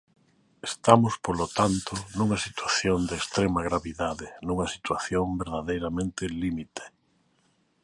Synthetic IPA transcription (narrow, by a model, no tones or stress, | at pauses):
est̪amʊspolot̪ant̪onuŋɐsit̪waθjond̪eːst̪ɾemaɣɾaβiðaðɪnuŋɐsit̪waθjombeɾðaðejɾamẽnt̪ɪlimit̪e̥